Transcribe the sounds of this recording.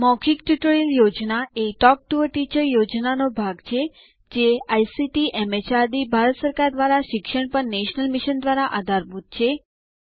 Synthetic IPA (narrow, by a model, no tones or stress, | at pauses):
mɔkʰikʈuʈoɾiljod͡ʒnaeʈɔk̚ʈuʋəɾʈit͡ʃəɾjod͡ʒnanobʱaɡt͡ʃʰe | d͡ʒeajsiʈiʔɛmet͡ʃaɾd̪ibʱaɾət̪səɾkaɾd̪ʋaɾaʃɪkʃəɳpəɳneʃnəlmiʃənd̪ʋaɾaʔad̪ʱaɾbut̪̚t͡ʃʰe